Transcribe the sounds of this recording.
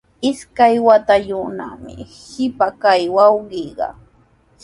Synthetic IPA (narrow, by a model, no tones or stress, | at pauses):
ɪskajwat̪aʎʊna̰mɪ̰ | hɪpakajwɑwɢiɢɑ̰